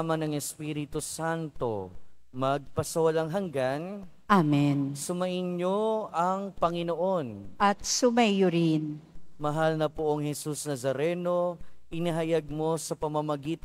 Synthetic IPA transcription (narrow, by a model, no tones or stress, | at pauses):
mɐnɐŋɛspiɾɪt̪usant̪o̞̰mɐɡ̚pɐsɐwɐlaŋɦɐŋɡan | ʔamɛnsʊmɐʔɪnɲoɐŋpɐŋɪnoʔo̞nʔɐt̪̚sʊmajʊɾɪnmɐɦalnɐpʊʔoŋhɛsusnɐzɐɾɛno̞ʔɪniɦɐjaɡ̚mo̞sɐpɐmɐmɐɡiːt̪